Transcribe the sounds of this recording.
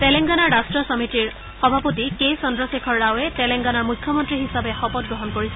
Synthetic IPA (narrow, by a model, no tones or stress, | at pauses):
tɛlɛŋɡanaɹːastɹɔsɔmitiɹ | xɔbʱapotikesɔndɹɔsekʰɔɹːawɛtɛlɛŋɡanaɹmujkʰjɔmɔntɹiɦisabexɔpɔt̚ɡɹɔɦɔnkoɹis